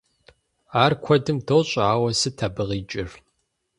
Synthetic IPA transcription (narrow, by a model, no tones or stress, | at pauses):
aːrkʷʰɔdɨmtʰoːɕʼaːwɐsɨtʰɐbɨʁiːt͡ʃʼɪr